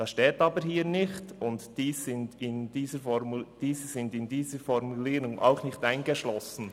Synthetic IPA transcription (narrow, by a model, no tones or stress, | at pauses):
d̥ɑsʃtɛːtɑːbəɾhiːɾnɪçtʊntd̥iːsːɪntɪndiːzəɾfɔmud̥iːzəz̥ɪndɪndiːzəfɔɾmuliːɾʊŋʔa̰ʊxnɪçtaɪnɡəʃlɔsn̩